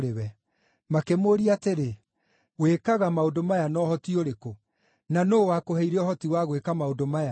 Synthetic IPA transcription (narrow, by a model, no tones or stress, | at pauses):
ɾewɛ | makemoɾiateɾe | wekaɣamaodomajanɔːhɔtioɾeko | nanoːwakoɦɛiɾɛɔhɔtiwaɣwekamaodomaja